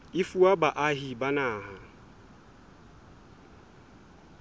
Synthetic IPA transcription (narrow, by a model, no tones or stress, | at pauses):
ɪfuabaʔaɦibanaːɦa